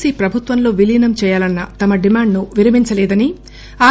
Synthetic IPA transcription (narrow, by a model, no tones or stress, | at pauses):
siːpɾɐbʱut̪ʋɐmlo̞ːʋiliːnɐmt͡ʃɛːjaːlɐnːɐt̪ɐmɐɖimaːɳɖnuʋiɾɐmiɲt͡ʃɐlɛːd̪ɐni | aː